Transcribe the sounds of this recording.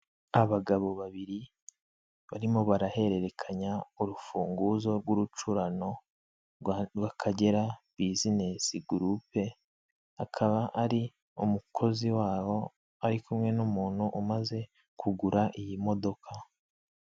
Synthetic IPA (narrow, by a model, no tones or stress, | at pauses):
aβaɡaβo̞βaβiɾi | βaɾimo̞βaɾahe̞ɾe̞ɾe̞kʰaɲauɾufuːŋɡuzo̞ɾɡuɾut͡ʃuɾano̞ | βakʰaɟe̞ɾaβizine̞siɡuɾupe̞ | akʰaβaʔaɾi | umukʰo̞ziwaːwo̞ | aɾikʰumŋe̞numuːn̥huʔumaze̞ | kʰuɡuɾaʔijimo̞do̞kʰa